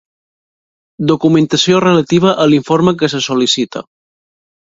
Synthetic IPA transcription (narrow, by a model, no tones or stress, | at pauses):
d̪okumənt̪əsiorələt̪iβ̞əʔəliɱfoɾməkəs̬əsolisit̪ə̰